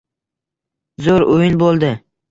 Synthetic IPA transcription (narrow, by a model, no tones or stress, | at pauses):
zoɾʊjɪnbolˠd̪ɪ